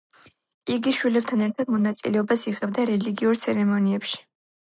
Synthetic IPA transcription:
iɡiʃwilɛb̚t̪ʰanɛɾt̪ʰad̪mɔnat̪sʼḭlɛɔbasiʁɛb̚d̪aɾɛliɡiuɾt̪sʰɛɾɛmɔniɛpʃi̥

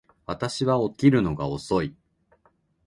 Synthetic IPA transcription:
βat̪aɕiβao̞kʲiɾɯ̟no̞ɡao̞so̞i

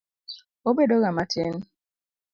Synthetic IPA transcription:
obedoɣamaten̩

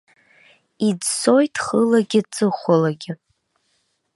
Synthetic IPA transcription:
id͡zso̞jtʰχəlaɡʲɪt͡sʼɨχʷalaɡʲɪ

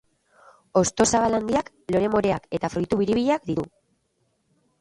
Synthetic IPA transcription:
o̞st̪o̞saβaland̪iak | lo̞ɾe̞mo̞ɾe̞ake̞t̪afɾujt̪uβiɾiβiʎeakd̪iɾu

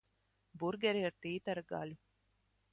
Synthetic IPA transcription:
buɾɡæɾeɐɾt̪iːt̪ɐɾɐɡa̰ːli

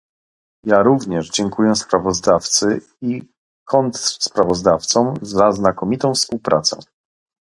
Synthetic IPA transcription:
jaɾuvɲɛʐd͡ʑɛŋkujɛspɾavɔzd̪aft̪sɘ | i | kʰɔnt̪spɾavɔzd̪aft̪sɔ̃mzaznakɔmʲit̪ɔ̃w̃fspuwpɾʔa̰t̪sɛ̰

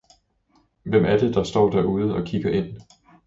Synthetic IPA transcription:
ʋem̰ʔæɐd̥e̝d̥ɑ̈sd̥ɒ̰ːd̥æɐuð̞ˠəɒ̽kʰiɡ̥ɐʔe̝n̰

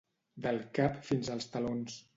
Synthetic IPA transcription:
d̪əlˠkapfinzəlˠst̪əlons

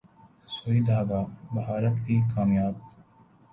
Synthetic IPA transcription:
soːid̪ʱaːʋabɐɦaːɾət̪kikaːmjaːb̚

